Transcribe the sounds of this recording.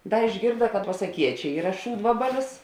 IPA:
ˈdɐ ɪʒʲˈɡʲɪrdɐ kɐt pɐsɐˈkʲiɛt͡ʃʲɛ ˈiːrɐ ˈʃuːdʋɐbɐlʲɪs

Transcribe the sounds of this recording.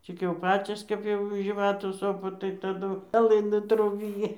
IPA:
ˈt͡sʲɪk jɛʊ ˈpɑːt͡sʲoːs ˈkɐp jɛʊ ʒʲiːˈʋɑːtuː ˈsoːpɐ tɐɪ tɐˈdʊ pʲɛˈlˠɨnuː ˈtruːbʲɪjɪ

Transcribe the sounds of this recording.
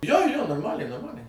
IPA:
joː joː noːrˈmɑːlʲɛɪ noːrˈmɑːlʲɛɪ

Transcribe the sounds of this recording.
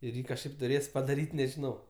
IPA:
ɪr ˈjiː kɐʃˈkɐɪp tʊˈrʲeːs pɐdɐˈrʲiːtʲ nʲɛʒʲɪˈnɐʊ

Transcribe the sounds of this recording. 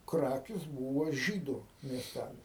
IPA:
ˈkrɑːkʲɪs ˈbuːʋɐ ˈʒʲiːdʊ mʲiɛsʲˈtʲælʲɪs

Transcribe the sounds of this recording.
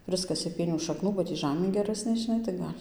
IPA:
ˈprɨskɐsʲeː ˈpʲiɛnʲuː ʃɐkˈnuː bɐ ˈtʲiː ˈʒɑːmʲeː ɡʲɛˈrɑːsʲnʲeː ʒʲɪˈnɐɪ tɐɪ ˈɡɐlʲ

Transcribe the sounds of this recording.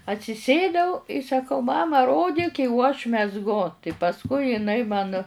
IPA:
ɐtʲsʲɪˈsʲeːdɐʊ ɪ sɐˈkɐʊ ˈmɑːmɐ ˈroːdʲɪk ɪ oː ɐʃ mʲɛzˈɡʊ tɐɪ pɐsˈkʊɪ jɪˈnɐɪ mɐn

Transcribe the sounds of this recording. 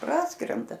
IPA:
ˈprɑːskrʲɛndɐ

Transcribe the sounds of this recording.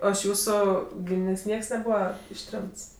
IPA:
ˈoː ɪʃ ˈjuːsʊ ˈɡʲiːmʲɪnʲeːsʲ ˈnʲiɛks nʲɛˈbuːʋɐ ɪʃʲˈtʲrʲɛmts

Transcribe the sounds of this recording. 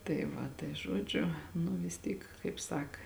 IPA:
tɐɪ ˈʋɐ tɐɪ ˈʒuɔd͡ʒʲʊ nʊ ʋʲɪs ˈtʲiːk kɐɪp ˈsɐk

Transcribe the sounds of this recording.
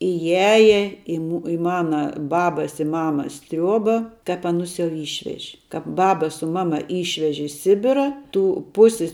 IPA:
ɪˈjæːjɛ ɪ mʊ ɪ ˈmɑːnɐ ˈbɑːbɐs ɪ ˈmɑːmɐs ˈtʲrʲuɔbɐ kɐp ɐˈnʊs jɛʊ ˈiːʃʲʋʲɛʒʲɪ ˈkɐp ˈbɑːbɐ sʊ ˈmɑːˌmɐ ˈiːʃʲʋʲɛʒʲɪ ɪ ˈsʲɪbʲɪrɐ ˈtuː ˈpʊsʲɪs

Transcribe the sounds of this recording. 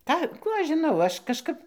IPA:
ˈkɑː ˈkuː ˈɐʃ ʒʲɪˈnɐʊ ˈɐʃ kɐʃˈkɐp

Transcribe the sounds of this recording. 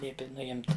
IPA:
ˈlʲiɛpʲɪ nʊˈɪmt

